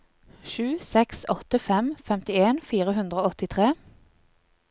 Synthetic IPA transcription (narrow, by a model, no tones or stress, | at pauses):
ʃʉːsɛksɔt̪əfɛmfɛmt̪ɪeːnfiːʁəɦʉnd̪ʁəoːɔt̪ɪt̪ʰʁeː